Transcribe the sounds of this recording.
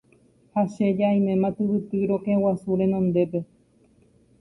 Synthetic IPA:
haʃed͡ʒaĩmẽmãt̪ɨβɨt̪ɨɾokewasuɾẽ̞nõnd̪e̞pe̞

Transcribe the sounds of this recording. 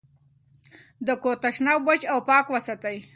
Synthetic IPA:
d̪əkot̪aʃnawbət͡ʃawpɑːkwəsat̪aj

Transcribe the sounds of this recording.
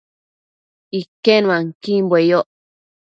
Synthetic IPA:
ikenw̃ãŋkimbwejoʔ

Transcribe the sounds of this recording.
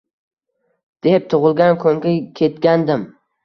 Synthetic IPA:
d̪̥e̞p̚t̪ʰʊʁɨlˠɡʲankʰɵŋɡʲakʲʰe̞t̪ɡʲand̪ɪm

